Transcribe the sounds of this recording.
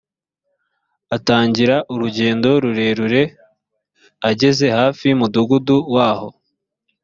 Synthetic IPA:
ataːɲɟiɾaʔuɾuɟe̞ːndo̞ɾuɾe̞ːɾuɾe̞ | aɟe̞ze̞haːfimuduɡuduwaːho̞

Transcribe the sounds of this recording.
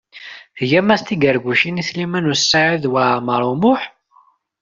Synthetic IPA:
hjæmæst̪iɡəɾɡʷuʃiniθlimænusːaʕiðwaməɾˤumʊħ

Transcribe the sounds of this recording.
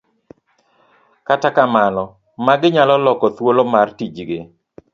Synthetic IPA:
katakamalɔ | maɡɪɲalɔlɔkɔt̪wolomartid͡ʒɡɪ

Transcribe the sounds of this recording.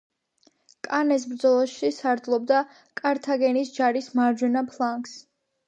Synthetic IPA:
kʼanɛs̬bɾd̪zɔlˠɔʃʃisaɾd̪lˠɔbd̪a | kʼaɾt̪ʰaɡɛnisd͡ʒaɾismaɾd͡ʒwɛnapʰlˠaŋks

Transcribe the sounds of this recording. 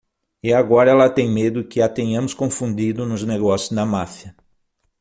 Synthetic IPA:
ɪaɡɔɾɐɛlɐt̪ẽj̃med̪ʊkɪat̪ẽɲɐ̃mʊskõfũnd̪id̪ʊnʊzneɡɔsjʊzd̪ɐmafjɐ

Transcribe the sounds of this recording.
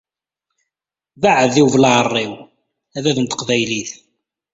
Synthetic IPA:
vaʕəðiwvlaərˤːiw | æðæðənt̪ə̥qvæjliθ

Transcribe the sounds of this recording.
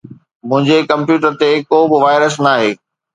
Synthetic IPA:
mʊ̃ɦɪ̃ɲd͡ʑekɐ̃mpjuːʈəɾt̪ekoːbɪʋaːɪɾəsnaːɦeː

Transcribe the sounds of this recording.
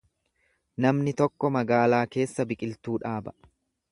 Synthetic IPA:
nɐmnɪt̪ɔkːɔmɐɡaːlaːke̞ːsːɐbɪkʼɪlt̪uːᶑaːbɐ̥

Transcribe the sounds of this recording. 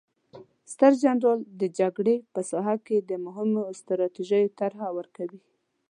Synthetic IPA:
st̪əɾd͡ʒandɑld̪əd͡ʒaɡɽepəsɑɦaked̪əmʊɦɪmost̪ɾɑt̪iʒəjot̪aɾɦawəɾkawi

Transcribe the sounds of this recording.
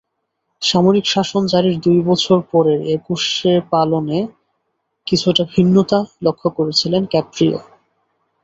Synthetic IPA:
ʃamoɾikʃaʃond͡ʑaɾiɾd̪ujbɔt͡ɕʰoɾpɔɾeɾekuʃeɾpalone | kit͡ɕʰuʈabʱinːot̪alokʰːokoɾet͡ɕʰilenkɛpɾio̰

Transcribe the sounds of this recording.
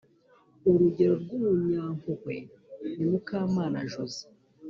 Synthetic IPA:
uɾuɟe̞ɾo̞ɾɡumuɲaːmuhwḛ | nimukaːmaːna̰ʒozi̥

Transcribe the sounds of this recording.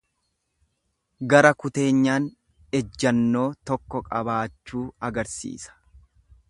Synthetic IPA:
ɡɐɾɐkʊt̪e̞ːɲːaːn | ɛd͡ʒːɐnːo̞ːt̪ɔkːɔkʼɐbaːt͡ʃːuːɐɡɐɾsḭːsɐ̥

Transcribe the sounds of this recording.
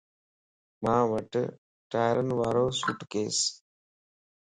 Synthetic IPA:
mãːʋəʈ | ʈaːjɾənʋaːɾoːsʊʈkeːs

